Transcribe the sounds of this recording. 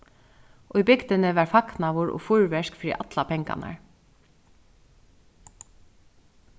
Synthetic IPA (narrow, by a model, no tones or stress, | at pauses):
ʔʊjbɪkt̪ɪnɪʋæɹfaknaʋʊɹʔɔ̰ːfʊɹʋɛʂkfɾḭːʔat̪lapʰɛŋka̰na̰ɹ